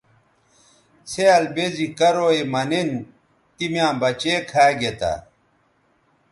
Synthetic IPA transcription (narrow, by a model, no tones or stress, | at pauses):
t͡sʰeɐlbezikɐɾoːemɐnen | t̪imjãːbɐt͡ɕeːkʰaːɡet̪a̰